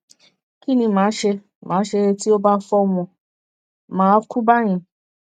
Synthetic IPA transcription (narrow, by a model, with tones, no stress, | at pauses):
ki˦nĩ˧mãː˨˦ʃe˧ | mã̰ː˨˦ʃe˧ɾe˧ti˦o˦ba˦fɔ˦w̃ɔ̃˧ | mãː˨˦kũ˦ba˦ɾ̃ĩ˨˧˨